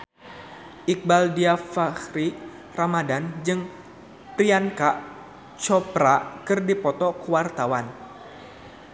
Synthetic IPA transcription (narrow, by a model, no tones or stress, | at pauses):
ʔik̚baldiafahɾi | ramadand͡ʒɨŋ | pɾiankaʔ | t͡ʃɔpɾakɨrdipɔt̪ɔkəwart̪awan